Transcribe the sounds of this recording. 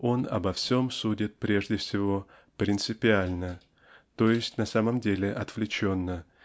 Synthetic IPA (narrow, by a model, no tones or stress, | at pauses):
o̞nɐ̰bɐfsʲo̞msudʲɪt̪̚pɾʲe̞ʐdʲɪfsʲɪvo̞ | pɾʲɪnt̪sɨpʲɪalʲnə | t̪o̞jɪsʲtʲnɐsaməmdʲelʲɪʔɐt̪vlʲɪt͡ɕo̞nːə